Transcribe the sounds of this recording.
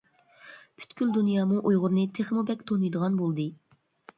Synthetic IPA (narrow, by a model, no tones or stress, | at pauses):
pʰy̥t̪kʲyld̪unjɑːmuʔujʁʊɾnɨt̪ʰeχmubɛkʲt̪ʰonɨjd̪əʁɑnbolˠd̪ɨ